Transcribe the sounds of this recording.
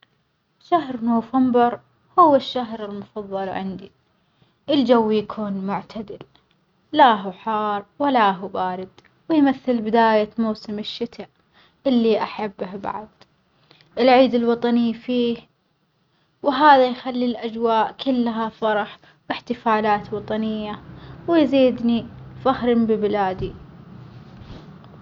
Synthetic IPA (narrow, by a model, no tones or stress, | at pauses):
ʃaɦɾnoːfambɪɾ | hʊwɪʃːaɦɾɪlmʊfɑðˤːɑlʕɪ̰nd̪i | ʔɪld͡ʒawːjakʰuːnmʊʕt̪ʰad̪ɪl | laɦuħɑːɾˤwalaɦubaːɾɪd̪ | wɪjmaθːɪlbɪd̪aːjamawsɪmɪʃːɪt̪ʰaʔ | ʔɪlːiʔaħabːhba̰ʕd̪ | ʔɪlʕiːd̪ɪlwɑt̪ˤɑnifiːh | wɦaːðajxalːilʔad͡ʒwaːʔkɪlːɦafɑɾˤɑħ | wɪħt̪ɪfaːlaːt̪wɑt̪ˤɑnɪjːawɪjziːd̪nifahɾɪmbɪbɪlaːd̪i